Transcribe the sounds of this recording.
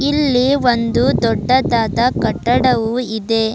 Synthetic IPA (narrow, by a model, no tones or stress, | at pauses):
ilːiʋond̪ud̪ɔɖːɐd̪aːd̪ɐkɐʈːɐɽɐʋuid̪e̞